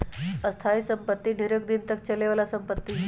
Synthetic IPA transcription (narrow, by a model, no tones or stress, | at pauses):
əst̪ʰaisəmpət̪ːiːɖʱeɾək̚d̪int̪ək̚t͡ɕəleʋlasəmpət̪ːi